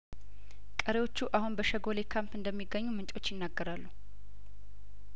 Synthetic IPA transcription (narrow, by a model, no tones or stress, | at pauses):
kʼəɾewo̞t͡ʃːuʔahunbəʃəɡo̞lekʰampɨnd̪əmːiɡːəɲːumɨnt͡ʃʼo̞t͡ʃːjɪnːaɡːəɾalːu